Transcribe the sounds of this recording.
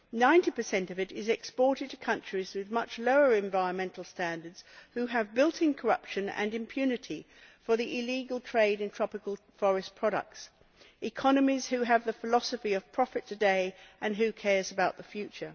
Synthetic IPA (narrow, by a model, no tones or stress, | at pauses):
nãɪ̃ntipə˞sɛ̃ntʌvɨɾɪzɛkspɔɹɾɨd̚tʰɨkʰʌ̃nt͡ʃɹ̥izwɨðmʌt͡ʃloʊə˞ɨ̃ɱvaɪɹə̃nmɛ̃ntʰˡl̩ˠstæ̃ndə˞dz̥hʉɨvbɪlˠtʰɪ̃ŋkʰə˞ʌpʃɨ̃nɨ̰̃nɨ̃mpʰj̥ʉnɨɾi | fə˞ðiʔɪliɡəlˠtʰɹ̥eɪɾɨ̃ntʰɹ̥ɑpɨkəlˠ | fɔɹɨspʰɹ̥ɑɾə̰k̚ts | ʔɨkʰɑnɨmiz̥hʉɨvðɨfəlɑsəfiʌv̥pʰɹ̥ɑfɨtʰɨdeɪʔɨ̃nɦʉkʰɛɹzəbaʊt̪̚ðəfjʉt͡ʃə˞